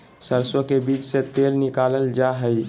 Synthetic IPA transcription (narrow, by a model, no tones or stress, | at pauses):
səɾswəkebiːt͡ʃset̪eːlnɪkaːləld͡ʒaɦəi